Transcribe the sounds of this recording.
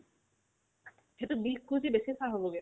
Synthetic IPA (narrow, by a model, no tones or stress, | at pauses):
hetubikːuzibesisaɦoboɡe